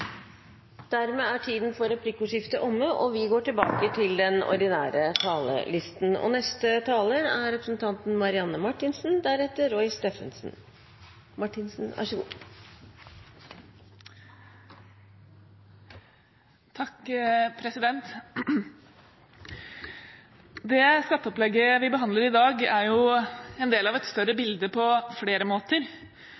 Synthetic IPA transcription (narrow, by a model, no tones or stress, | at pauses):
d̪̥æɾmeːæʈʰiːd̪nfɔɾɛpʰlikʊʂɪft̪əʔɔmːəʔɔʋɪɡoːʈɪlbɑːkət̪ʰɪld̪ɛnɔ̰ɾɖ̪ɪnæːɾət̪ʰɑːlə̰lɪst̪n̩ɔ̰nɛst̪ət̪ʰɑːləɾæɾɾɛpɾəsən̩t̪ʰɑnt̪n̩mɑɾɪɑnːəmɑʈːɪnsn̩d̪æɾɛt̪ːəɾɔɪst̪eːfənsn̩ | mɑʈːɪnsn̩ʋʔæ̰ʂəɡṵː | t̪ʰɑkːpʰɾɛsɪd̪ɛnt̪ | d̪ɛskɑt̪ːəɔplɛɡːəʋɪbəɦɑnd̪ləɾɪd̪ɑːɡæɾjʊɛnd̪eːlɑʋɛt̪st̪œɾəbɪld̪əpʰɔfleːɾəmoːt̪əɾ